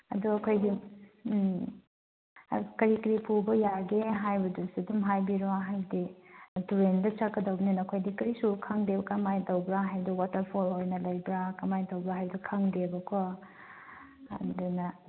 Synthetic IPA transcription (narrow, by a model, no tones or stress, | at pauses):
ɐ̰duɐkʰojdi | kɐɾikɐɾipubɐjaɡeɦajbɐdusudumɦajbiɾoaɦajdituɾendɐt͡ʃakːɐdɐwbɐninɐːkʰojdikɐɾisukʰaŋdebɐkɐmajdɐwbɾaɦajduwatɐɾpʰolojnɐlɐjbɾakɐmajdɐwbɾaɦajbɐdukʰaŋdebɐkʰɔ | ɐ̰dunɐ